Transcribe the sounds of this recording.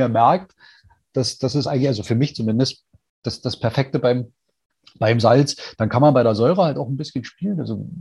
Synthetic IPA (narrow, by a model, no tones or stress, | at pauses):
meːɐmɛɐk̚t | d̥asd̥asɪs̬ʔaɪŋ̩çʔalzofyːɐmɪçt͡sumɪndəst | d̥asd̥aspʰɛɐfɛk̚təbaɪm | b̥aɪmzalt͡sd̥ankʰanmanbaɪɾeːɐzɔʏʁəhaltaʊxn̩bɪsçənʃpiːləna̰lzo